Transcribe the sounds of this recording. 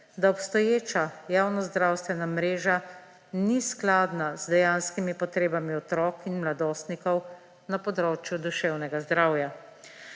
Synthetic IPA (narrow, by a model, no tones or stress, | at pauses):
d̪aɔpst̪ɔjeːt͡ʃajaːwnɔzd̪ɾaːwst̪ʋɛnamɾeːʒa | nisklaːd̪nazd̪ɛjanskimipɔt̪ɾeːbamiɔt̪ɾɔːkinmlad̪oːst̪nikɔw | napɔd̪ɾoːt͡ʃjud̪uʃɛwnɛɡazd̪ɾaːwja